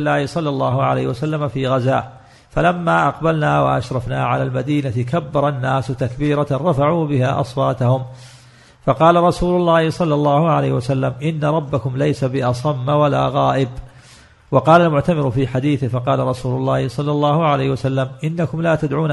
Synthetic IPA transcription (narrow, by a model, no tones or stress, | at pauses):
lːaːhɪsˤɑlːɑlˤːɑːhʊʕa̰la̰jhwasalːamafiːɣazaː | falamːaːʔɑqbalnaːwa̰ʔa̰ʃɾˤɑfna̰ːʕalaːlmad̪iːnat̪ɪkabːɑɾˤɑnːaːsʊt̪akbiːɾaɾˤɑfaʕuːbɪhaːʔɑ̰sˤwɑːt̪ahʊm | fɑqɑːlaɾˤɑsuːlʊlˤːɑːhɪsˤɑlːɑlˤːɑːhʊʕalajhwasalːamʔɪnːaɾˤɑbːakʊmlajsabɪʔɑsˤɑmːawala̰ːɣɑːʔɪb | wɑqɑːlalmʊʕt̪amɪɾʊfiːħad̪iːθɪhfɑqɑːlaɾˤɑsuːlʊlˤːɑːhɪsˤɑlːɑlˤːɑːhʊʕalajhwasalːamʔɪnːakʊmlaːt̪ad̪ʕuːn